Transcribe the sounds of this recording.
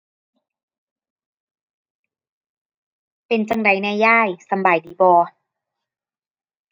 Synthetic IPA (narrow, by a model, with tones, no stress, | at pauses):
pe˨nt͡ɕa˧ŋda˨˧˩jnɛː˧jːaː˥˩jsa˧˨mbaː˨˩jdiː˨˦bɔː˧